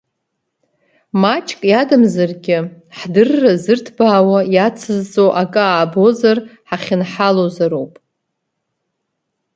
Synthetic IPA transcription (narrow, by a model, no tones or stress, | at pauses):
mat͡ʃʼkʼjadɨmzarɡʲɪ | ħdɨrːazɨrtʰbaːwajat͡sʰɨzʼo̞ʔakʼɨaːbo̞zarħaχʲɪnħalozaɾowpʼ